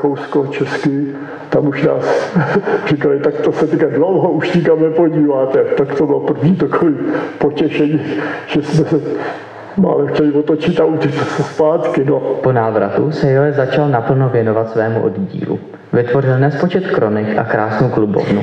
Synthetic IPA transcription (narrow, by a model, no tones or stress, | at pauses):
kowskot͡ʃɛskɪ | t̪amuʃna̰ːs | r̝̥ɪkalɪt̪akt̪osɛt̪ɛkadlowɦouʃɲɪkamnɛpo̞ɟiːvaːt̪ɛt̪akt̪obɪlopr̩vɲiːt̪akovɪpocɛʃɛɲiːʒ̥ɛsmɛsɛ | ma̰ːlɛxcɛlɪvot̪ot͡ʃɪt̪aucɛt͡ssɛspaːt̪kɪnoponaːvɾa̰t̪usɛjoɛzat͡ʃalnapl̩novjɛno̞vat̪svɛːmṵʔo̰dɟḭːlṵ | vɪt̪vo̞r̝ɪlnɛspo̞t͡ʃɛt̪kɾo̞nɪkʔa̰kɾaːsnowklubo̰vnu